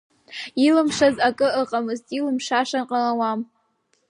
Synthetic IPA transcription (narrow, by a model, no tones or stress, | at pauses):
ilɨmʂazakʼɨɨqʼamɨztʼilɨmʂaʂanqʼalawam